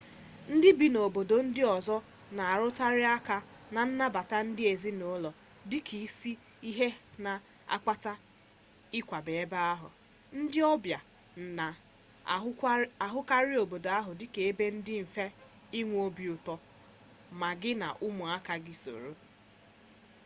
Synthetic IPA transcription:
n̩˦dɪ˦bi˨no˨bo˨do˨n̩˦dɪ˦ɔ˨zɔ˦ | na˨a˨ɾʊ˦ta˦ɾɪ˦a˦ka˦na˨n̩˦na˦ba˨ta˦n̩˦dɪ˦e˨zi˦no˦lɔ˨ | dɪ˦kʰi˨˦si˦ | i˦ɦe˦na˨ | a̰˨kʷa˦ta˦ | ɪ˦kʷa˨be˨e˦ba˦a˦ɦʊ̰˨ | n̩˦dɪ˦ɔ˦bja˨ | a˨˦ | a˨ɦʊ˦ka˦ɾɪ˦o˨bo˨do˨a˦ɦʊ˨dɪ˦ke˨e˦be˦n̩˦dɪ˦m̩˨fe˦ | i˦ŋʷ˦o˦bi˨ʊ˨tɔ˨ | ma˨ɡɪ˦na̰˨ʔʊ˦mʊ˨a˦ka˨ɡɪ˦so̰˨ɾo˦

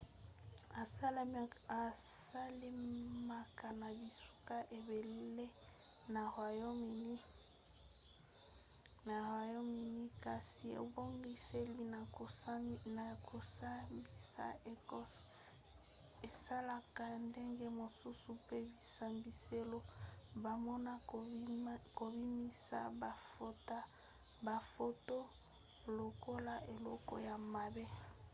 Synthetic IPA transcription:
a˨sa˦la˨sa˦le˦ma˨ka˨na˨bi˨su̥˦ka˦ʔe˨be˨le˦ | na˨ha˨jo˦mi˨ni˦ | na˨ha˨jo˦mi˨ni˦ka˨si˨ḛ˨bo˦ŋɡi˦se˦li˦na˨˦na˨ko˨sa˦bi˦sa̰˦e˨kɔ˦s | e˨sa˦la˦ka˨nde˦ŋɡe˦mo˨su˦su˨pe˦bi˨sa˨mbi˨se˦lo˦ba˨mɔ˦na˦ | ko˨bi˦mi˦sa̰˦ba˨fta˦ | ba˨fo˦to˦ | lo˨ko˦la˦ʔe˨lɔ˦kɔ̰˦ja˨ma˨be˦

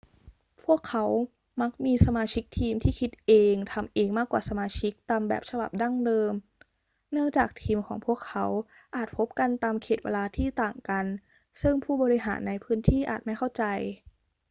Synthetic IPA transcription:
pʰu˥˩əkʰːa˦˥w | ma˦˥k̚miː˧sa˧maː˧t͡ɕʰi˦˥k̚t̪ʰiː˧mt̪ʰiː˥˩kʰi˦˥t̪̚ʔeː˧ŋt̪ʰa˧mʔeː˧ŋmaː˥˩kwaː˨˩sa˧maː˧t͡ɕʰi˦˥k̚t̪aː˧mbɛ̰ː˨˩p̚sa˧ba̰˨˩p̚da˥˩ŋdɤː˧m | nɯ˥˩əŋt͡ɕaː˨˩k̚t̪ʰiː˧mkʰɔː˩˦ŋpʰu˥˩əkʰːa˦˥w | ʔaː˨˩t̪̚pʰo˦˥p̚ka˧nt̪aː˧mkʰeː˨˩t̪wḛː˧laː˧t̪ʰiː˥˩t̪aː˨˩ŋka˧n | sɯ˥˩ŋpʰuː˥˩bɔː˧ɾi˧˥ɦaː˩˦nːa˧jpʰɯː˦˥nt̪ʰiː˥˩ʔa̰ː˨˩t̪̚ma˥˩jkʰa˥˩wt͡ɕa˧j

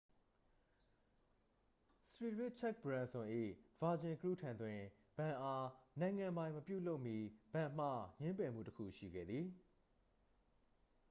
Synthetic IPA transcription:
sɹi˨ɹwɪ˦t͡ɕʰɛ˦k̚bɹã˨nsʊ̃˨ʔḭ˦˨v̥a˨d͡ʑɪ̃˨kɹu˦˨tʰã˨nt̪wɪ̃˨ | b̥ã˨ʔa˦nã˨ɪ̃ŋã˨mbã˨ɪ̃məpjṵ˦˨lo˦ʊʔmji˦b̥ã˨m̥ä̰˦˨ɲɪ̃˦mpɛ˨m̥ṵ˦˨təkʰṵ˦˨ʃḭ˦˨ɡɛ̰˦˨d̪ði˨

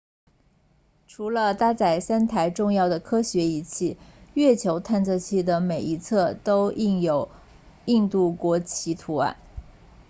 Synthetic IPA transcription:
ʈ͡ʂʰu˧˥lə˧t̪a˥t͡sa˥˩ɪsa˥nt̪ʰa˧˥ɪʈ͡ʂʊ˥˧ŋjɑ˥˩ʊd̪ə˩kʰɤ˥ɕɥɛ˧˥i˨˩t͡ɕʰi˥˩ɥɛ˥˩t͡ɕʰjo˧˥ʊt̪ʰa˥˧nt͡sʰɤ˥˧t͡ɕʰi˥˩d̪ə˩me˨˩ɪi˧˥t͡sʰɤ˥˩t̪o˥ʊʔi˥˩njo˨˩ʊ | i˥˧ŋt̪u˥˩kwɔ˧˥t͡ɕʰi˧˥t̪ʰu˧˥a̰˧˩

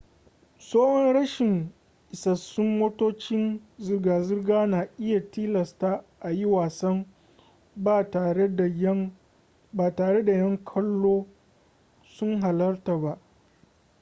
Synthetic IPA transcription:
soː˦hɔ˦nɽɐ˦ʃɪ˨ŋ | ʔɪ˨sɐ˨sːʊ˦mmoː˦toː˦t͡ʃɪ˦nzɪ˨rɡaː˨zɪ˦rɡaː˦naː˨ʔɪ˦ja˨tiː˦lɐ˨staː˦ʔa˨ji˦waː˨sɐ˦m | baː˦˨taː˨ɽe˦da˨jɐ˦m | baː˨taː˨ɽe˦da˨jɐ˦ŋkʰɐ˦lːoː˦ | sʊ˦ŋɦa˨lɐ˦rta˨ba˦ʔ

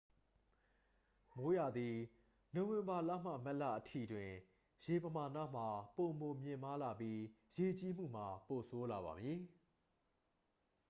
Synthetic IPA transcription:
mo˨˦ja˨d̪i˨ | nõ˨wɪ̃˨mba˨la̰˦˨m̥ä̰˦˨mɛ˦ʔlä̰˦˨ʔətʰḭ˦˨dwɪ̃˨ | je˨pəma˨na̰˦˨m̥a˨po˨mo˨mjɪ̃˨ma˦la˨pji˦je˨t͡ɕi˦m̥ṵ˦˨m̥a˨po˨sʰo˦la˨βa̰˨mji˦

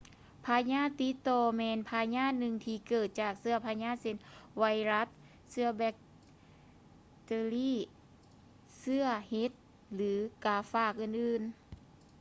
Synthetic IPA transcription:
pʰaː˧ɲaː˥˨t̪i˧˥t̪ɔː˧mɛː˧npʰaː˧ɲaː˧˥˨nɯ˧ŋt̪ʰiː˧kɤː˨˩t̪̚t͡ɕaː˨˩k̚sɯ˧ɐpʰaː˧ɲaː˧˥˨se˧nwa˧˥jɾa˧˥t̪̚ | sɯ˧ɐbɛ˧k̚ | t̪eː˧liː˥˩˨ | sɯ˧ɐhe˧˦˥t̪̚ | lɯː˨˦kaː˧˩faː˧˩k̚ʔɯː˨˩nʔɯː˨˩n

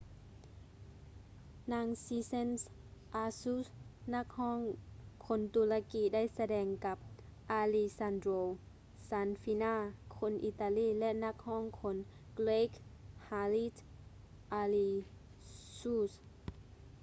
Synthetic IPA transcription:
naː˧˥ŋsiː˧˥se˥˨ns | ʔaː˧suː˧˥˨sna˧˥k̚hɔː˥˨ŋkʰo˧˦nt̪uː˧la˧kiː˧˥da˥˩˨jsa˧dɛː˧ŋka˧˦p̚ | ʔaː˧li˧sa˧ndɾoː˧ | saː˨˦˥nfi˧˥naː˧˩kʰo˧˥nʔḭ˧˨t̪aː˧liː˧˥˨lɛ˧ʔna˧˥k̚hɔː˥˩˨ŋkʰo˧˥n | ɡleː˧khaː˧li˧˥t̪ | ʔaː˧liː˧ | suː˧˩s

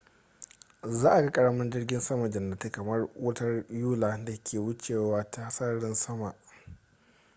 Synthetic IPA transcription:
zaː˦ʔa˨ɡa˦kʼɐ˨ɽɐ˦mɐ˦nd͡ʒɪ˦rɡʲɪ˦nsɐ˦ma˨d͡ʒɐ˨nːa˨te˦kɐ˨mɐ˦rwʔɐ˦tɐ˦rjuː˦laː˨da˨kʲʰeː˨wʊ˦t͡ʃeː˨waː˦ta˦hsɐ˦ɽɪ˦nsɐ˦ma˨ʔ

